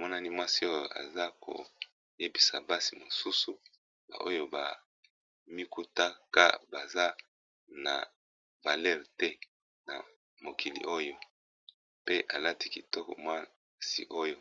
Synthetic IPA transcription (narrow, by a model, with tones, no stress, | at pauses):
mɔ˦na˦ni˦mwa˦si˦o˦jo˨a̰˨za˦kʰo̰˨ | je˦bi˨sa˨ba˦si˨mo˨su˦su˨ | ba̰˨ʔo˦jo˦ba˨ | mi˦ku˦ta˦ka̰˦ba˨za˦ | na̰˨ | va˨lɛ˦˨ʁtɛ˦ | na̰˨ | mo˨ki˨lḭ˨ʔo˦jo˦ | pe˦ʔa˨la˦ti˦ki˨tɔ˦kɔ̰˨mwa˦ | sḭ˦ʔo˦jo˦